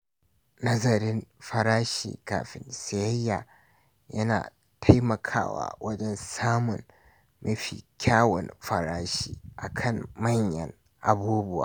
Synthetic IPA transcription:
nɐ˦zɐ˨ɾɪ˦nɸɐ˨ɾaː˦ʃḭː˨ka̰ː˨ɸɪ˨nsa˨jɐ˦jːa˨ | jɐ˦na̰ː˨ | tʰa˦jmɐ˨kʰa̰ː˦wa̰ː˨wɐ˦d͡ʒɛ˦˨nsaː˦mʊ˨n | mʔɐ˦ɸḭː˨kʲʰaː˦wɔ̰˨nɸɐ˨ɾaː˦ʃiː˨ʔa̰˨kʰɐ˦˨mmɐ˦ɲjɐ̰˨ŋ | ʔa˨buː˦bʊ˦wa̰ː˨

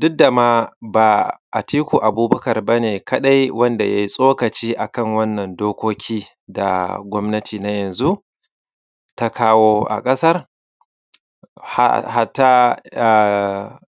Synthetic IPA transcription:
dʊ˦da˨maː˦ba˨ʔa˨tiː˦kʷuː˨ʔa˨buː˦bɐ˦kɐ˨rbɐ˦neː˨kʰɐ˦ɗa˦jwɐ˦nda˨ja˦ji˦sʼoː˦kɐ˨t͡ʃiː˦ʔa˨kɐ˦ŋwɐ˦nːɐ˨ndoː˦kʷoː˦kʲʰiː˦ | da̰˨ɡʷɔ˦mnɐ˦tʰiː˨na˦jɐ˨nzu˦ʔ | ta˦kʰaː˦woː˦ʔa̰˨kʼɐ˦sɐ˦r | ha̰˦ha˦ta˦˨

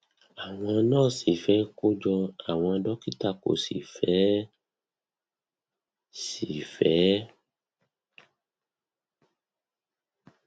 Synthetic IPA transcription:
a˨w̃ɔ̃˧nãː˦˨si˨fɛ˨˦ko˦d͡ʒɔ˧a˨w̃ɔ̃˧a˧dɔ˦ki˦ta˧˨ko̰˨sḭ˨fɛ˨˦ | si˨fɛ˨˦

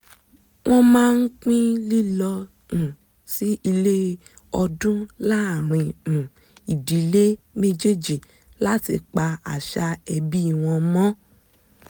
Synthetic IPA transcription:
w̃ɔ̃˦mãː˦n̩˦k͡pĩ˦li˦lɔ˧ | ũ˨ | si˦i˧le˦ | ɔ˧dũ˦la˦˨ɾ̃ĩ˧˨ | i˨di˨˦le˦me˦d͡ʒe˦˨d͡ʒi˨ | la˦ti˧k͡pa˧a̰˨ʃa˧ɛ˧bi˦i˦˨w̃ɔ̃˧mɔ̃˦

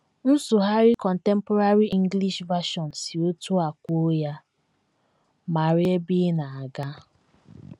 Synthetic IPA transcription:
n̩˦sʊ˨ɦa˦ɾi˦kɔ˨n̩˨te˦m̩˦pɔ˦ɾa˦ɾi˦ʔi˦ŋ˦ɡli˦ʃva˦ʃɔ˨n˨si˨o˦tu˦a˨kʷo˦ja˦ | ma˨ɾɪ˦e˦bi˦na˨a˨ɡa˦

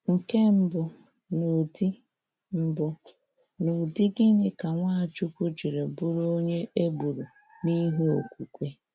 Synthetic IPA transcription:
ŋ̩˨ke˦m̩˦bʊ˨ | nu˨di˦ | m̩˦bʊ˨ | nu˨dɪ˦ɡɪ˦ɲɪ˦ka˨ŋʷa˦˨t͡ʃu˦kʷu˦d͡ʒi˨ɾe˨bu˦ɾo˦ɲe˦ʔe˦bu˨ɾu˨ | ni˦ɦu˦o˨kʷu˨kʷe˦

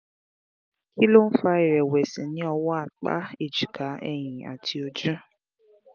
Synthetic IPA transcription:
ki˦lo˦n̩˦fa˧i˨ɾɛ˨wɛ˨sĩ˨nĩ˨˦ɔ˧wɔ˦a˦˨k͡pa̰˦e˨d͡ʒi˨ka˨˦ɛ̰˦˨j̃ĩ˨a̰˨tʰi˧o˧d͡ʒũ˦

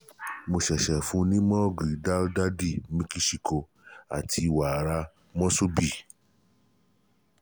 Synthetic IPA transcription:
mo˧ʃɛ˨ʃɛ˨fũ˧˦nĩ˦mɔ̃˦˨ɡi˨da˦lda˦di˦˨mĩ˦ki˦ʃi˧˨ko˧ | a̰˨tʰi˧˨wa˨ɾa˧ | mɔ̃˦so˦bi˦˨

